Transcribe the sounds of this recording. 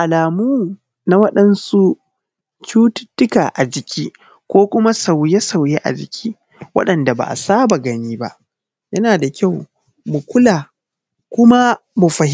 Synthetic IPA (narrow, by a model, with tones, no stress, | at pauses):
ʔa˨laː˨muː˦ | na˦wɐ˦ɗɐ˦nsu˦ | t͡ʃuː˦tʊ̥˦tːʊ˦ka̰ː˨ʔa˨d͡ʒɪ˨kʲʰiː˦ | kʷoː˦kʷʊ˦ma˦sa˨wje˦sa˨wje˦ʔa̰˨d͡ʒɪ̰˨kʲʰiː˦ | wɐ̰˦ɗɐ˨nda˨ba̰ː˨ʔa̰˨saː˦ba˨ɡɐ˦niː˦ba̰˦ʔ | jɐ˦naː˨da˨kʲa˦˨w | mʊ˨kʷʊ˦laː˨ | kʷʊ˦ma˦mu˨ɸɐ˨h